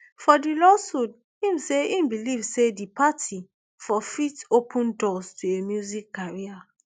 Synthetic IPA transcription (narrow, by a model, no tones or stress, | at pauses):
fɔdilɔsud | hĩmseĩmbilivsedipʰatʰi | fɔfitopʰə̃ndɔstʰuemjuzikːaɹia